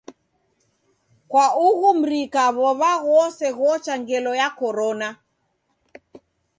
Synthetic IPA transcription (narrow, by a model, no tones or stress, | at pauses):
kwauɣum̩ɾikaβɔβaɣɔsɛɣɔt͡ʃaŋɡɛlɔjakɔɾɔna